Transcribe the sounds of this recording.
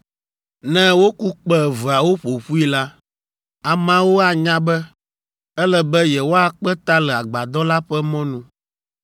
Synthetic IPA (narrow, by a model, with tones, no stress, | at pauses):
nɛ̃˦wo˦ku˦k͡pɛ˦˨və˨a˨wo˦ɸo˨ɸu˦i˦la˦ | a˨mã˦wo˦a˨ɲã˦bɛ˦ | ɛ˦lɛ˨bɛ˦jɛ˨wo˦a˦k͡pɛ˦t̪a˦lɛ˨a˨ɡ͡ba˨d̪ɔ˦la˦ɸɛ˦mɔ̃˦nũ˦